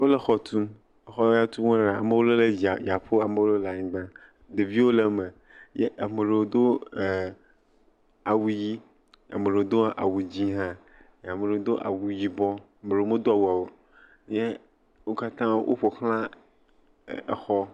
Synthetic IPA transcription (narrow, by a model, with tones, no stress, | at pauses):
wo˦le˦xɔ˦t̪ʰũ˦ | e˨xɔ˦ja˦t̪ʰũ˦wõ˦ɾa˨a̰˨me˦wo˦le˦le˦d͡ʑi˨a˨ja˨ɸo˦a˨mẽ˦wo˦le˦la˨ɲĩ˨ɡ͡bã˦ | d̪e˨vi˦wo˦le˦me˨ | jɛ˦ʔa˨me˨ɾe˨˦d̪o˦˨ | a˨wu˨ji˦ | a̰˨me˨ɾe˨˦d̪o˦a̰˨wu˨d͡ʑi˦ɦã˦ | ja˨me˨ɾe˨˦d̪o˦ʔa̰˨wu˨ji˦bɔ˦˨ | me˨ɾo˦me˦d̪o˦a˨wu˨a˨wo˨ | je˦ | wo˦ka˦t̪ã˦wʔo̰˦ɸo˨xl̃ã˦˨ | xɔ˦